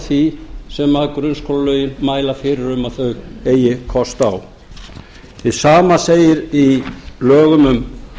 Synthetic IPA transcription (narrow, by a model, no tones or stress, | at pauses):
θisɛmaðkɾʏnskʰolalœːɥjɪnmaːjlafɪːɾɪɾʏmaðθœɥɣeːjɪkʰɔst̪aw | θɪðsaːmaseːjɪɾilœːɣʏmʏm